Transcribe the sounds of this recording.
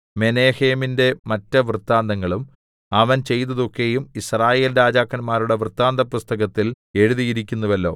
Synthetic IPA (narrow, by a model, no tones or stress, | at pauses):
me̞ne̞ːhe̞ːminde̞mɐtːɐʋrɨt̪ːaːnd̪ɐŋːɐɭum | ɐʋɐnt͡ɕe̞jt̪ːɐðo̞kːe̞jumisraːje̞ːlɾaːd͡ʑaːkːɐnmaːɾuɽe̞ʋrɨt̪ːaːnd̪ɐpːust̪ɐɣɐt̪ːil | e̞ɻuðijiɾikʲːunːɐʋɐlːo̞̰ː